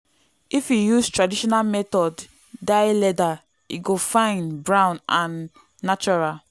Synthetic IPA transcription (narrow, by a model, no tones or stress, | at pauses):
ifjijustɹadiʃɔnalmɛtɔdː | aɪlɛda | ḭɡofãɪ̃nbɹãʊ̃nʔãnː | at͡ʃɔɹal